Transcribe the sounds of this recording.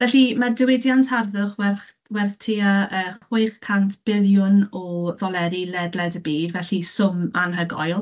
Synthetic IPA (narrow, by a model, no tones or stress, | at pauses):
vɛɬimardɪwɪdjantʰarðʊχwɛrχ | wɛrθtʰiːaəχwɪɨχkʰantʰb̥ɪljʊnɔðɔlˠɛɾilɛdlɛdəbiːdvɛɬisʊmanɦəɡɔ̰jlˠ